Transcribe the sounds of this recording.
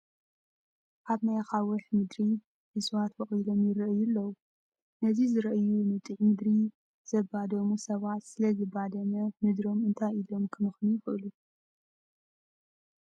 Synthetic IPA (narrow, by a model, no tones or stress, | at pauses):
ʔaβnajaxawɐħmɨd̪ɾi | ʔɨswat̪bɐχʼilo̞mjɪɾɐʔɨjulːɐwu | nɐzizɨɾɐʔɨjunɨt̪ʼɨʕmɨd̪ɾi | zɐbad̪ɐmusɐβat̪sɨlɐzɨbad̪ɐmɐmɨd̪ɾo̞mɨnt̪ʰajilo̞mkʰɨmɨxnujɪxʔɨ̰lu